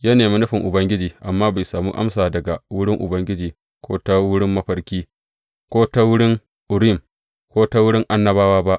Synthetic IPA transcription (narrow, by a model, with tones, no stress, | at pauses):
ja˦neː˨mi˦nɪ˦ɸɪ˨ŋʔʊ˨bɐ˦ŋɡʲɪ˦d͡ʒiː˨ʔa˨mːaː˦ba˨jsaː˨mṵː˦ʔa̰˦msaː˨dɐ˨ɡa˨wʊ˦ɽɪ˦ŋʔʊ̰˨bɐ˦ŋɡʲɪ˦d͡ʒiː˨ | kʷoː˦ta˦wʊ˦ɽɪ˦mːɐ˦ɸɐ˦rkʲiː˦ | kʷoː˦ta˦wʊ˦ɽɪ˦ŋ | ʔʊ˨ɽi˦˨m | kʷoː˦ta˦wʊ˦ɽɪ˦ŋʔa˦nːɐ˦baː˦waː˦ba˦ʔ